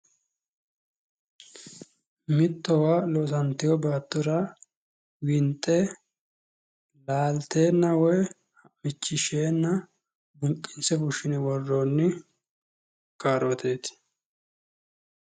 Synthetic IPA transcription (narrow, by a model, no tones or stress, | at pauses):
mɪt̪ːɔwaːlɔsɐnt̪ɪjɔbaːt̪ːʊɾa | wɪnt̪ʼːɛ | laːlt̪eːnːɐwɔj | ɐmɪt͡ʃːɪʃeːnːɐ | bʊŋkʼːɪnsɛfʊʃɪnɛwɔrːoːnːɪ | kaːɾɔt̪ʰeːt̪